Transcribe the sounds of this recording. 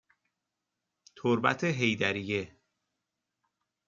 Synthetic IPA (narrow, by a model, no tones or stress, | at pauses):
t̪ʰoɾbæ̰t̪ʰeɦe̞jd̪æɾije̞